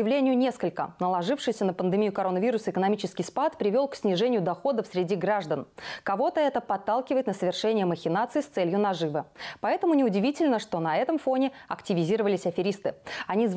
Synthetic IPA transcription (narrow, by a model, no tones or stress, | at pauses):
ɪvlʲenʲɪjʊnʲe̞skəlʲkə̰nəlˠɐʐɨfʂɨjsʲənəpənd̪ɨmʲijʊkɐɾo̞nːəvʲiɾʊsəɪkənɐmʲit͡ɕɪskʲɪjspat̪pɾʲɪvʲo̞lˠksʲnʲɪʐɛnʲɪjʊd̪ɐxo̞d̪əfsʲɾʲɪdʲiɡɾaʐd̪ənkɐvo̞t̪əɛt̪əpɐt̪ːalˠkʲɪvəjɪt̪nəsəvʲɪrʂɛnʲɪjəməxʲɪnat̪sɨɪːst̪sɛlʲjʊnɐʐɨvəpɐɛt̪əmʊnʲɪʊdʲɪvʲitʲɪlʲnəʂt̪o̞nɐɛt̪əmfo̞nʲɪɐktʲɪvʲɪzʲiɾəvəlʲɪsʲɐfʲɪɾʲist̪ɨɪɐnʲiz